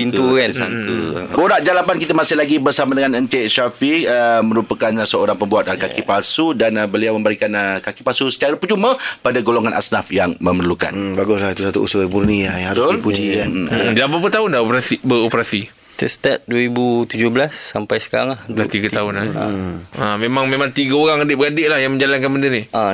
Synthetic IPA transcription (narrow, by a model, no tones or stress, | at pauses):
pint̪ukasa̰ŋkṵboɾaʔd͡ʒalapankit̪amasɪhlaɡibərsamadəŋanəɲt͡ʃɛʔʃafiəmə̃ɾupakansəoɾaŋpəmbuat̪̚əkakipasudanəbəliawmə̃mbəɾikanəkakipasusə̥t͡ʃaɾapəd͡ʒuməpadaɡoloŋanʔa̰snafjaŋməmərluka̰nbaɡʊslahit̪usat̪ṵṵsʊburniajaalpud͡ʒiadlapapət̪aʊndaopɾasbəopɾasi | t̪əst̪at̪̚duəɾibut̪ud͡ʒʊblasːampajsə̥kaɾa̰ŋlahlast̪iɡatt̪aʊna̰ | əmemaŋmẽmaŋt̪iɡaoɾaŋadɪʔbəɡadɪʔlahjaŋmə̃ɲd͡ʒalankanbəndənia